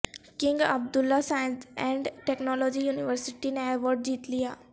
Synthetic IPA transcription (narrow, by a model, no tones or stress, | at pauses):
kĩŋɡəb̚d̪ʊlːasajənsɛ̃ɳɖʈeknɔːlɔd͡ʒijuːniʋəɾsiʈineɛʋɔɾɖd͡ʒiːt̪lijaː